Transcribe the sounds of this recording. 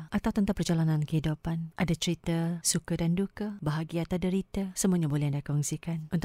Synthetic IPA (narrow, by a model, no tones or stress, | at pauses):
ʔat̪awt̪ənt̪apərd͡ʒalanãnkəɦidupanʔadat͡ʃəɾit̪asukadandukabaɦaɡiat̪adəɾit̪asəmuaɲabolɛhandakɔŋsikanunt̪